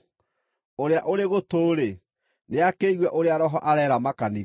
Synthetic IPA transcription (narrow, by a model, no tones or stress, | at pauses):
oɾeaʔoɾeɣotoɾe | neakeiɣwɛʔoɾeaɾɔɦɔʔaɾɛɾamakani